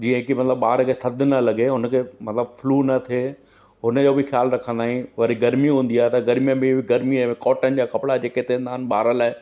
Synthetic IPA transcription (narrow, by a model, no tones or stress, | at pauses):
d͡ʑiːə̃ɦkimɐt̪ɪləbːaːɾkʰet̪ʰɐd̪ʱɪnɐlɐɡeɦʊnəkʰeːmɐt̪ləbfʊluːnɐt̪ʰe | ɦʊnə̆d͡ʑoːbɪxjaːlɾɐkʰə̃nd̪aːɦĩʋɐɾiɡɐɾmiɦũːnd̪iaːɦet̪ɐɡɐɾmijə̃bɪ̃bɪɡɐɾmiɐ̃mẽkɔːʈənɪ̆d͡ʑaːkɐpɽad͡ʑeːket̪ẽnd̪aːɦɪnɓaːɾəlaːe